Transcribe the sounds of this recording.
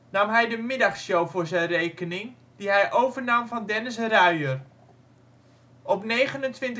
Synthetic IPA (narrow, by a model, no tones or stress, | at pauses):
namɦɛjdəmɪdaχsjowvʊːɹzɛjnrejkənɪŋ | d̥iɦɛjʔowvərnɑmvɔndɛnəsraɥər | ʔɔpnejχənəntʋɪnt